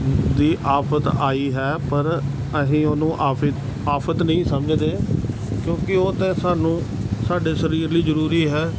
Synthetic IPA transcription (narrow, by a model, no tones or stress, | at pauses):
d̪iːʔaːpʰət̪aːiːɦɛːpəɾ | əɦĩːoːnũːʔaː | aːpʰət̪nəĩːsəməd͡ʒd̪eː | kjõːkɪoːt̪ẽːsaːnũː | saːɖeːsəɾiːɾliːzəɾuːɾiːɦɛː